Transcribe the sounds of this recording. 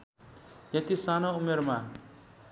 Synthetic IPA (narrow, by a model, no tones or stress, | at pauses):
jʌt̪isanoumeɾma